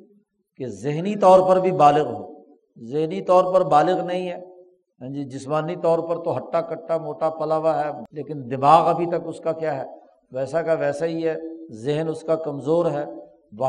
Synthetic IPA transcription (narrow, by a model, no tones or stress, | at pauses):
kezɪɦnit̪ɔːɾpɐɾbʱibaːlɪɣɦo̰ː | zɪɦnit̪ɔːɾpɐɾbaːlɪɣnɐɦĩɦɛː | ɛ̃d͡ʒid͡ʒɪsmaːnit̪ɔːɾpɐɾt̪oɦɐʈːakɐʈːamoːʈapɐlaːʋaɦɛːleːkɪnd̪ɪmaːɣɐbʱit̪ɐkʊskakjaːɦɛː | ʋɛːsakaʋɛːsaɦiɦɛːzɪɦnʊskakɐmzoːɾɦɛː | ʋɐ